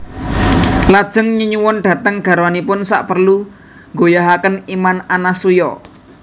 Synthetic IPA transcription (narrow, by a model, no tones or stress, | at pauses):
lad̥ʒ̥ə̤ŋɲuɲuwɔnɖ̥ä̤t̪əŋɡ̥a̤ɾoanipʊnsa̰ʔpərlu | ŋɡojaɦakənimananasujɔ